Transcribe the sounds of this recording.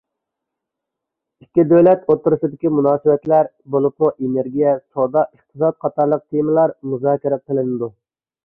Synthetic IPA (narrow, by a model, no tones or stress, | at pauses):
ikʲːid̪øwlɛt̪ot̪ːuɾɨsɨd̪ɪkʲimunɑːsɨwɛt̪læɾ | bolˠup̚muʔeneɾɡʲijɛsod̪ɑʔeχt̪ʰɨsɑt̪̚qʰɑt̪ʰɑɾlˠəq̚t̪ʰemɨlˠɑɾmuzɑːkʲiɾɛq̪ʰɨlɪnɪd̪u